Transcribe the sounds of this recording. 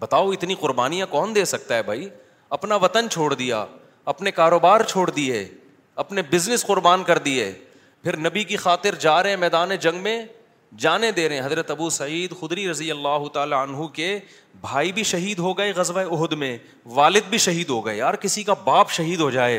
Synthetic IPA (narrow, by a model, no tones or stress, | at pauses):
bɐt̪aːoɪt̪niqʊɾbaːnijãkɔːnd̪eːsɐk̚t̪aɦɛbʱai | ɐpnaʋɐt̪ənt͡ʃʰoːɽd̪ija̰ː | ɐpnekaːɾoːbaːɾt͡ʃʰoːɽd̪ieː | ɐpnebɪznɪsqʊɾbaːnkɐɾd̪ieː | pʰɪɾnɐbikixaːt̪ɪɾd͡ʒaːɾɦɛ̃mɛːd̪aːned͡ʒɐ̃ŋɡmẽ | d͡ʒaːned̪eːɾɐɦɛ̃ɦɐzɾət̪ɐbusɐiːd̪xʊd̪ɾiɾɐzijəlːaːɦʊt̪aːlaɐnɦuke | bʱaːibʱiʃɐɦiːd̪ɦoɡɐeɣɐzʋaeʊɦʊd̪mẽ | ʋaːlɪd̪̚bʱiʃɐɦiːd̪ɦoɡɐḛaːɾkɪsikabaːpʃɐɦiːd̪ɦod͡ʒaːeː